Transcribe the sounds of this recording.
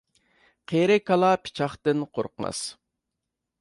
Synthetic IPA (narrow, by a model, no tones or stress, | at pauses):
qʰeɾɪkʰɑlˠɑpʰɪ̥t͡ʃʰɑχt̪ɨnqʰo̰ɾqəmɑ̰s